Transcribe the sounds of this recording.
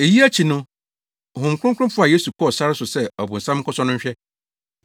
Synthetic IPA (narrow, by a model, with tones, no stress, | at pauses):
e˨ji˦æ˦t͡ɕʰi˨nʊ̃˦˨ | hʊ̃˨m˨kʰɾʊ̃˦kʰɾʊ̃˦fʊ˦a˨jeː˦su˨kʰɔ˦˨sa˦ɾɪ˦sʊ˨sɛ˦ɔ˨bʊ̃˨n̩˨sã˦m˦kʰɔ˦sɔ˦nʊ̃˦ɲ˦ɕᶣɛ˦